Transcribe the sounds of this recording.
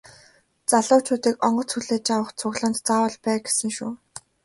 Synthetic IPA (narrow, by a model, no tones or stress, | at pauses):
t͡saɮʊːt͡ɕʰʊːt̪iːkɔɴɢɞ̆t͡sxuɮeːt͡ɕawə̆χt͡sʰʊɣɮə̆nt̪t͡saːwə̆ɮpæːɡesɘ̆ŋʃuː